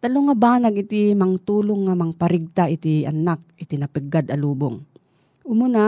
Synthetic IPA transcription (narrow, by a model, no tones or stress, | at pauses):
t̪ɐloŋabaːnɐɡɪt̪imɐŋt̪uːloŋːɐmɐŋpɐɾɪɡ̚t̪aʔɪt̪iʔɐ̰nak̚ɪt̪inɐpɪɡːad̪ɐluːboŋ | ʔʊmʊna